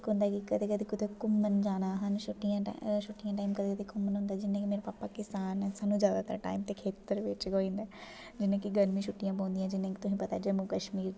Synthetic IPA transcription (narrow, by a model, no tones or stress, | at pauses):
kõːnd̪aːkikəd̪ʱekəd̪ekʊd̪ekʊmənd͡ʒaːɽ̃aːɦənʃʊʈːijãːʃʊʈːijãːʈaːimkəd̪ekd̪ekʊmənɦʊ̃nd̪aːd͡ʒɪnẽkimeːɾepaːpakɪsaːnsaːnũzjaːd̪at̪əɾʈa̰ːɪmt̪ekʰeːt̪əɾʋɪt͡ʃɡoːĩːnd̪aː | d͡ʒɪnẽːkiɡənmĩʃʰʊʈːijãːp̬õːnd̪ijãd͡ʒɪnẽkt̪ʊɦĩpɐt̪ad͡ʒɐmũkəʃmiːɾ